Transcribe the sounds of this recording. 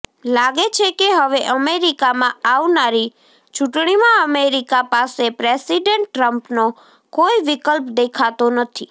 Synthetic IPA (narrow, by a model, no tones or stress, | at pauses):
laɡet͡ʃʰekeɦəʋeʔəmeɾikamãaʋnaɾi | t͡ʃʊʈɳ̃imãəmeɾikapasepɾesiɖeɳʈːɾəmpno | koiʋɪkəlpd̪ekʰat̪onət̪ʰi